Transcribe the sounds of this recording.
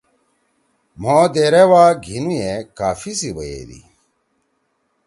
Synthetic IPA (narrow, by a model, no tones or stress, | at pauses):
m̤oːd̪eːɾewaːɡʱinujekaːfisibɐjḛːd̪ḭ